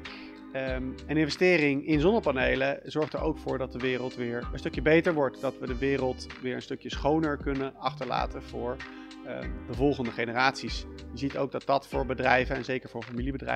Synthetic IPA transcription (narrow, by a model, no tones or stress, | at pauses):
ənɪ̃nvɛstɪːrɪŋɪnzɔndəɹpanejləzɔɹχtəɹowkfʊːɹdɑt̚dəʋɪːrəlˠtʋɪːɹənstɵkjəbejtəɹʋɔɹtdɑtʋədəʋɪːrəlˠtʋɪːɹənstɵkjəsχownəɹkɵnənɑχtəɹla̰ːtənv̥ʊːɹ | dəvɔlˠχəndəχejnəraːtsisjəzito̰wɡ̚dɑt̚dɑtfʊːɹbədrɛjvənɛnzejkəɹvʊːɹfamilibədrɛ̰